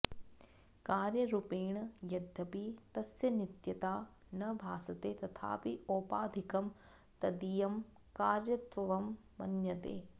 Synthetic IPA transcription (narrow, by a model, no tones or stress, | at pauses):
kaːɾjɐɾupeːɳɐjɐd̪ʱːɐpit̪ɐsjɐnit̪jɐt̪aː | nɐbʱaːsɐt̪eːt̪ɐt̪ʰa̰ːpioːpaːd̪ʱikɐm | t̪ɐd̪ijɐm | kaːɾjɐt̪ʋɐʋɐmː | ɐ̰njɐt̪ḛː